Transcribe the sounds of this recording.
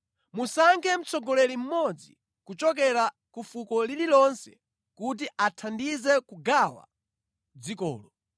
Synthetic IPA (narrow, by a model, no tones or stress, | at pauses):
musaŋkʰɛm̩t͡sʰɔɡɔlɛlim̩mɔd͡zḭ | kut͡ʃɔk̬ɛɾa | kufukɔlililɔnsɛ̥̰ | kut̬iʔatʰandizɛkuɡawa̰ | d͡zikɔ̰ːlɔ